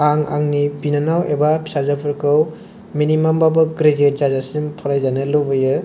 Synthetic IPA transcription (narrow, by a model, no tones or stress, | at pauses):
aŋa̰ŋnibinanawebapʰi̥sazapʰɯɾkʰɯw | minimambabɯɡɾezezazasimpʰɔɾajzanɯlobɯjɯ